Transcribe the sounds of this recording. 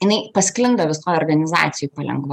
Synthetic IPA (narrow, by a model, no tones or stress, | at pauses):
ɪnɐɪpɐsʲkʲlʲɪnd̪ɐʋʲɪsoːjoːrɡɐnʲɪzɑ̰ːt̪sʲɪjupɐlʲɛ̰ŋɡʋɐ